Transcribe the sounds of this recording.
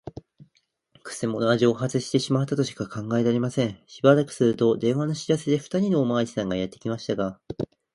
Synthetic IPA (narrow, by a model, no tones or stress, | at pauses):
kɯ̟̥semo̞noaʑioːɦat͡sɨɕi̥t̪e̞ɕimat̪ːat̪o̞ɕi̥kakʰãŋɡaet̪aɾʲimasẽ̞ɰ̃ɕibaɾakɯ̟̥sɨɾɯ̟t̪o̞d̪ẽ̞ɰ̃βano̞ɕiɾased̪e̞ɸɯ̥t̪aɾʲinoːmaːd͡ʑi̥sãŋɡajat̪ːe̞̥kʲimaɕi̥t̪aɡa